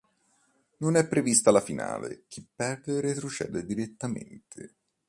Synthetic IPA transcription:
nonɛpːɾevist̪alafina̰ːlḛk̟ʰipːɛrd̪eɾet̪ɾot͡ʃɛ̰ːd̪ed̪iɾet̪ːamḛnt̪ʰe

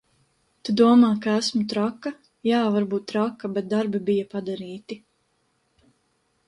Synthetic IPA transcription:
t̪ed̪uɔmaːkaæsmut̪ɾakːa | jaːvaɾbuːt̪tːɾakːabɛt̪̚d̪aɾbibijapad̪aɾiːt̪i

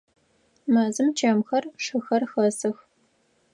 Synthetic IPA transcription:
mɐzɨmt͡ʃʰɐmxɐrʂɨxɐrxɐsɨx

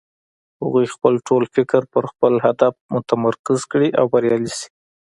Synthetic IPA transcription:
ha̰ɣujxpəlʈolfɪkɾpəɾxpəlɦad̪afmʊt̪amaɾkɪzkɽiʔawbaɾjɑlisi̥

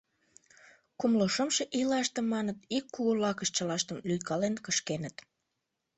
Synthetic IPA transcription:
kumloʃəmʃeʔilɑʃt̪əmːɑnət̪ikːuɣolɑkəʃt͡ɕəlɑʃt̪əmlyjkɑlenkəʃkenət̪

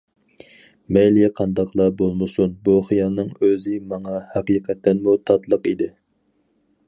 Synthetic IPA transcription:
mɛjlijɛqʰɑnd̪ɑqʰlˠɑbolˠmɨsunbuχijɑlˠnɨŋøzɪmɑŋɑhɑqiqʰɛt̪ːɛnmut̪ʰɑt̪lˠəqid̪ɪ

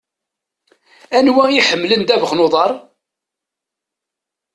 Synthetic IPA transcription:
ænwæiħəmːlənd̪ævəχnoðˤɑɾˤ

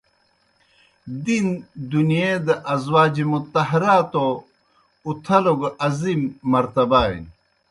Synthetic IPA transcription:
d̪ind̪unijed̪ɐʔɐzwaːd͡ʑimut̪ɐɦɐɾaːt̪o | ut̪ʰɐloɡɐzimːɐɾt̪ɐbaːḭn

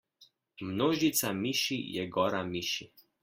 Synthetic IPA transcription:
mnoːʒit̪samiʃijɛɡɔːɾamiʃi

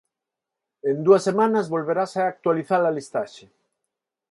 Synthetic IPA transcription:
end̪uɐsːemanɐzβolβeɾasaːk̚t̪waliθalɐlist̪aʃe

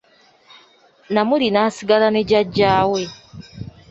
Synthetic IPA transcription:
namulinaːsiɡalane̞ɟaɟːaːwe̞

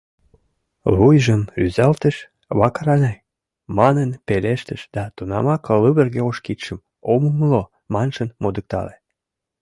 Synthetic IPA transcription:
lujʒənyzælt̪əʃ | βɑkɑɾɑnʲe | mɑnənpeleʃt̪əʃd̪̥ɑt̪unɑ̰mɑklɨβərɣeoʃkit̪ʃəm | oməməlo | mɑnʒənmod̪ək̚t̪ɑ̰le

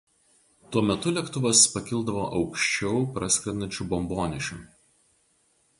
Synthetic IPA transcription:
t̪uɔmʲɛt̪ʊlʲɛkt̪ʊʋɐspɐkʲɪlˠd̪ɐʋoːʔɒʊkʃʲt͡ʃʲɛʊpɾɐsʲkʲɾʲɛnɐnʲt͡ʃʲʊbɔmboːnʲɪʃʲʊ

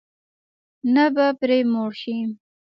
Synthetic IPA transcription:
nabapɾemoɽʃi

